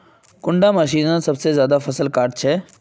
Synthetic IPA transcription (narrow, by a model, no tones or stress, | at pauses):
kʊ̃ɳɖaməʃiːnãsɐbsezjaːd̪afʰəsəlkaːɾʈ̚t͡ʃʰɛː